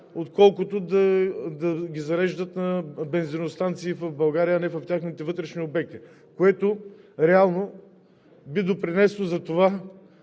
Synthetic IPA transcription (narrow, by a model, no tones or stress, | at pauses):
ot̪kɔlˠkʊt̪od̪ɐd̪ɐɡʲizɐɾɛʒd̪ət̪nɐbɛnzinost̪ant̪siːfɐvbɐlˠɡaɾijəːnɛfɐft̪ʲjaxnit̪ɛvɤt̪ɾɛʃniobɛk̚t̪i | koɛt̪oɾɛalˠno | bid̪opɾinɛsnozɐt̪ova